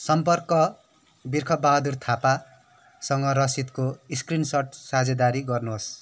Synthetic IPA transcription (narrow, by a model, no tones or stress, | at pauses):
sʌmpʌrkʌ | birkʰʌbbːaɦd̪urt̪ʰapa | sʌŋɡʌɾʌsit̪koiskrinsʌʈsad͡zʌd̪aɾiɡʌrnuos